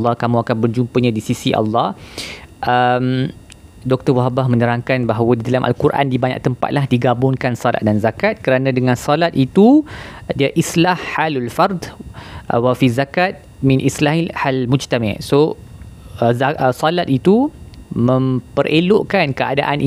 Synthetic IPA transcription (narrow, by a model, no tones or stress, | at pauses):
lːɑhkamũakanbərd͡ʒumpəɲãdisisiʔɑ̰lːɑhʔəm | dɔk̚t̪ərwaɦabahmə̃nəɾaŋkanbaɦawadidalamʔa̰lkurʔa̰ndibaɲa̰ʔ̚t̪əmpa̰t̪̚laɦdiɡabʊŋkansɔla̰t̪̚danzakat̪̚kəɾanãdəŋãnsɔlat̪̚it̪udiaʔislahːalalfard̪ʔwafizakat̪̚ | mĩnʔislaɦihalmũd͡ʒt̪amã̰so | zaəsɔlat̪̚it̪umə̃mpəɾʔeloʔkankəa̰da̰ʔanʔi